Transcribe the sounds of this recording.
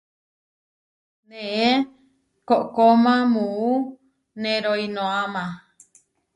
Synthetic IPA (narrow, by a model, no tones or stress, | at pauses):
nẽʔe | koʔkomãmũu | nẽɾoinõamã